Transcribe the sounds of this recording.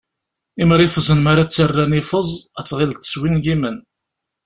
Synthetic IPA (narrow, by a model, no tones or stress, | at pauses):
iməɾifəzənmaɾat͡sːərːænifəzˤæt͡sːʁɪlt̪ə̥swinɡimən